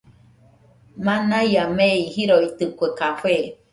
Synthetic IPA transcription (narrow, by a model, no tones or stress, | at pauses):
manajameihiɾoit̪ɯkʷekafe